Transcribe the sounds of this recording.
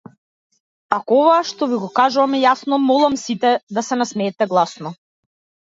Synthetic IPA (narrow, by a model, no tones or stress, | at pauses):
akɔɔvaʃt̪ɔviɡɔkaʒuvamɛjasnɔmɔlˠamsit̪ɛd̪asɛnasmɛːt̪ɛɡlˠasnɔ